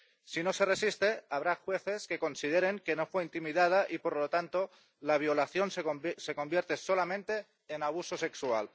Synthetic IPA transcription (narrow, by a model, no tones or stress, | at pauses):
sino̞se̞resist̪e̞aβ̞ɾaxwe̞θeske̞ko̞nsið̞eɾe̞ŋke̞no̞fweint̪imiðað̞aʔipoɾlot̪ant̪o | laβ̞jo̞laθjo̞nsese̞ko̞mbje̞ɾt̪e̞so̞lamẽnt̪e̞ː | naβ̞uso̞se̞ksua̰l